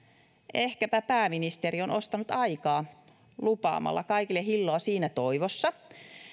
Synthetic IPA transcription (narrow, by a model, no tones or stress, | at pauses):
ʔehkæpæpæːminist̪eɾionost̪ɑnut̪ɑikɑː | lupɑ̰ːmɑ̰lːɑ̰kɑikilːehilːoːsiːnæt̪oiʋosːɑ